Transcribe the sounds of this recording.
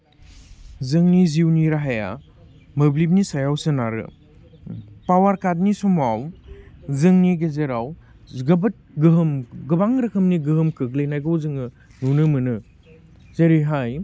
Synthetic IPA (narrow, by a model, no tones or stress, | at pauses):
zɯŋniziwniɾaɦaja̰ | mɐblip̬̚nisajawsɯnaɾɯ̰ | pawaɾkat̚nisumaw | zɯŋniɡɐzeɾaw | ɡɐbɐt̚ɡɯɦɯmɡɐbaŋɾɐkʰɐmniɡɯɦɯmkɯklejnajɡowzɯŋɯ | nunɯmɯnɯ | zɐɾiɦaj